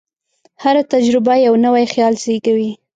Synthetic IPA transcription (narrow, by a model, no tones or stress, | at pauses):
haɾat̪ad͡ʒɾɪbajawnəwajxjɑlzeɡawi